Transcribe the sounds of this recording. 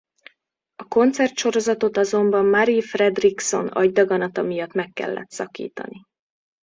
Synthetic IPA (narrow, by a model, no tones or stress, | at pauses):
ɒko̞nt̪sɛrt̪ʃo̞ɾo̞zɒt̪o̞t̪ɒzo̞mbɒmːɒɾifrɛd̪rikso̞nɒ̰ɟd̪ɒɡɒnɒt̪ɒmijɒt̪mɛkːɛ̰lːɛ̰t̪sɒkḭːt̪ɒ̰ni